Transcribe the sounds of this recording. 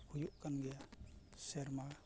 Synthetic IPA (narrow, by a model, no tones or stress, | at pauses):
hujuʔkanɡɛjasɛɾma